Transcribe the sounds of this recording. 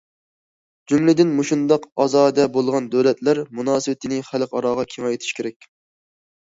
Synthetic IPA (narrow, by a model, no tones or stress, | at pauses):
d͡ʒumlɪd̪ɪnmuʃund̪ɑqɑzɑːd̪ɛbolˠʁɑnd̪øwlɛt̪ʰlæɾmunɑːsɨwɪt̪ʰɪnɪχælqɑɾɑːʁɑkʲʰeŋɑjt̪ʰɪ̥ʃkʲeɾɛkʲ